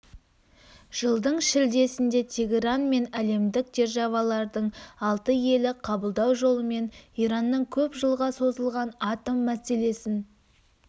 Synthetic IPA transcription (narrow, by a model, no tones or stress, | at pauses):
ʒ̥əlˠd̪əɴʃɪld̪e̞sɪnd̪e̞t̪ʲʰe̞ɡʲeɾanme̞næle̞md̪ɪk̚d̪e̞ɾʒɑvɑlˠɑɾd̪əɴɑlˠt̪əje̞lɪqʰɑbəlˠd̪ɑwʒo̞lˠəme̞nijɾɑnːəɴkʲʰɵpʒəlˠʁɑso̞zəlˠʁɑnɑt̪omːæse̞le̞sɪn